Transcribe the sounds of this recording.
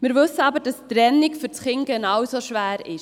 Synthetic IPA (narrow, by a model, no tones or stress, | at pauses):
mɪɾʋɵsəɑbəɾd̥ɑstɾɛnːikfʏɾt͡sχɪŋɡ̥ɛnɑwsoʃʋæːɾɪ̰ʃ